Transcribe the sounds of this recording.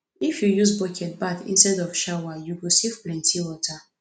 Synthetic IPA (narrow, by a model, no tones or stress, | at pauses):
ifjujuzbɔkʰɛt̚batḭ̃nstɛdɔvʃawajuɡosivplɛ̃ntʰiwɔtʰa